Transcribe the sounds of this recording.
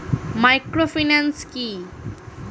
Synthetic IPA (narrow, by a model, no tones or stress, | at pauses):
majkɾofinanski